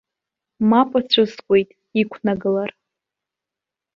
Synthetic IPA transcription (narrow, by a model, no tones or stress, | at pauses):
mapʷʼat͡ɕʷʰʊskʷʼe̞jtʼ | ikʷʰnaɡɨlar